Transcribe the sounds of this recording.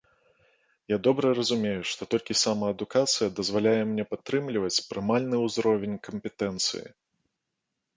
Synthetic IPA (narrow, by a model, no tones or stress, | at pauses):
jad̪ɔbɾɐrɐzumʲejuʂt̪ɔt̪ɔlʲkʲisamɐːd̪ukat̪sɨjɐd̪ɐzvalʲajɛmnʲɛpat̪ːɾɨmlʲivɐt͡sʲpɾɨmalʲnɨuzɾɔvʲenʲkɐmpʲɛt̪ɛnt̪sɨ̰jḭ